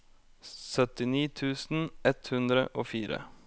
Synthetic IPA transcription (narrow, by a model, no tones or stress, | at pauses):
sœt̪ɪniːt̪ʰʉːsn̩ɛt̪hʉnd̪ɾə̰ʔoːfiːɾə̰